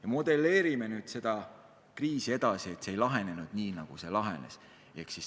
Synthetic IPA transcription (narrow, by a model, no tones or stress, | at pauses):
jɑmo̞d̪̥e̞le̞ːɾime̞nyːd̪̥se̞d̪̥ɑ | kriːsie̞d̪̥ɑsie̞t̪ːseejlɑɦe̞ne̞nud̪̥niːnɑɡ̥use̞lɑɦe̞̰ne̞̰s | e̞ksis